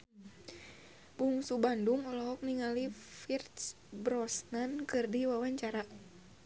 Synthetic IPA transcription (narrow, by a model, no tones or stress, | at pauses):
b̥uŋsubanduŋɔlɔɦɔk̚niŋalifirt̪s | bɾɔsnankɨrdiwawaɲt͡ʃaɾa